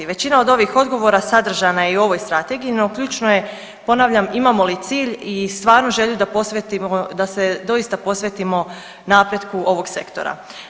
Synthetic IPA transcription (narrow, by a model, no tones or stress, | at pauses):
iʋe̞t͡ɕinao̞d̪o̞ʋixo̞d̪ɡo̞ʋo̞ɾasad̪r̩ʒanajeiuo̞ʋo̞jst̪ɾat̪e̞ɡijino̞kʎʲuːt͡ʃnoje̞ | po̞naʋʎʲamimamo̞lit̪siːʎist̪ʋaːɾnoʒeʎud̪apo̞sʋet̪iod̪ased̪o̞ist̪apo̞sʋet̪imo̞ | napɾed̪kuʔo̞ʋo̞ɡse̞̰kt̪o̞̰ɾa̰